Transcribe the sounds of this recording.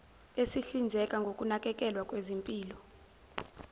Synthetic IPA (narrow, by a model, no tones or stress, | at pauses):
esiɬind͡zʱɛkʼaŋɡʱokʼunakʼɛkʼɛlwakʼwezimpʼiːlɔ